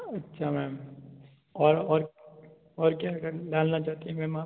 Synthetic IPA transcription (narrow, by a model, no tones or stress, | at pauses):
ɐtːʃʰamɛːm | ɔːɾɔːɾ | ɔːɾkjaːkɐɖaːlnat͡ʃaːɦt̪iɦɛ̃mɛ̃ːma